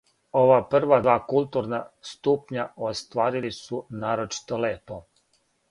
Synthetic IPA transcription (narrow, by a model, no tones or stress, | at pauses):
oʋapr̩ʋad̪ʋaːkulˠt̪uɾnast̪upɲaost̪ʋaːɾilisunaːɾot͡ʃi̥t̪o̞le̞ːpo̞